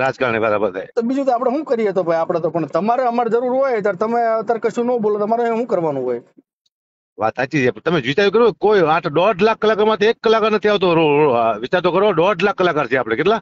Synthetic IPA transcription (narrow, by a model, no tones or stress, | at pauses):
ɾad͡ʒkaɾnebaɾabət̪ʰa̰jt̪obid͡ʒũt̪oapɽ̃eɦũkəɾiet̪obʱajapɽ̃at̪opəɳt̪əmaɾeəmaɾed͡ʒəɾuɾɦojt̪aɾt̪əmet̪əɾkəʃũnõbolot̪əmaɾoɦũkəɾʋanũɦoj | ʋa̰t̪at͡ʃid͡ʒet̪əmed͡ʒʋɪt͡ʃaɾt̪uk̬əɾuekoiaʈʰɖɔʈʰlakːəlakamãt̪ʰekːəlakanət̪ʰiaʋt̪oɾoʋɪt͡ʃaɾt̪okəɾʋoɖɔaʈʰlakːəlakaɾt͡ʃʰeapɽ̃ekeʈla